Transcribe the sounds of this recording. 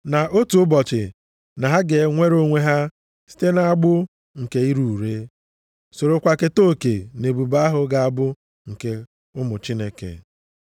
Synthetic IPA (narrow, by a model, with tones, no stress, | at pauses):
na˨ʔo˦tu˨ʊ˦bɔ˨t͡ʃɪ̰˨ | na˨ɦa˦ɡe˨˦ŋʷe˦ɾo˦ŋʷe˦ɦa˦ | si̥˦te˦na˨a˦ɡ͡bʊ˦ | ŋ̩˨ke˨i˦ɾu˨ɾe˦ | so˨ɾo˨kʷa˨ke˦to˦˨ke˨ne˨bu˨ba˦a˦ɦʊ˨ɡa˦a˨bʊ˦ | ŋ̩˨ke˦ | ʊ˦mʊ˨t͡ʃi˦ne˦kḛ˨